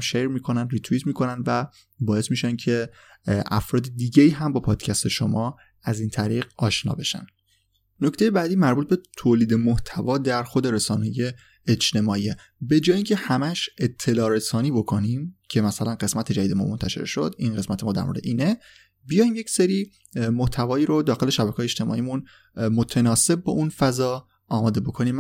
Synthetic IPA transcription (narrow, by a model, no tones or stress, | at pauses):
mʃeɾmiːkʰo̞nænd̪rit̪ʰuit̪miːkʰo̞nænd̪væ | bɒːe̞smiːʃæncʰe | ʔæfɾɒːd̪ed̪iːɟeiːɦæmbɒːpʰɒːd̪̥cʰæst̪ʰe̞ʃomɒː | æziːnt̪ʰæɾiːɣɒːʃnɒ̰ːbe̞ʃæ̰n | nocʰt̪ejebæːd̪iːmæɾbuːt̪̚be̞t̪ʰoːliːd̪e̞moht̪ʰævɒːd̪æɾxod̪e̞ɾesɒːnːje | et͡ʃt̪e̞mɒːie | be̞d͡ʒɒːjeiːŋcʰe̞hæmæʃet̪ʰːe̞lɒːɾesɒːniːbo̞kʰo̞nimcʰe̞mæsælænɢe̞smæt̪ʰe̞d͡ʒæd̪iːd̪emɒ̰ːmont̪ʰæʃḛɾʃo̞̰d̪inɢe̞smæt̪ʰemɒːd̪æ̰ɾmo̰ɾd̪eʔiːne | bijɒːjimje̞cseɾiː | moht̪ʰævɒːiːɾod̪ɒːxe̞le̞ʃæbækʰɒːjeʃt̪e̞mɒ̰ːiːmun | mot̪ʰenɒːse̞b̚ːɒ̰ʔunfæzɒː | ɒːmɒːd̪e̞bo̞kʰo̞niːm